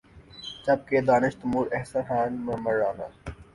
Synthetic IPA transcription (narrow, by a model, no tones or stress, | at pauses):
t͡ʃɐb̚ked̪aːnɪʃt̪muːɾɛɦsɐnxaːnmmɐɾːaːna̰ː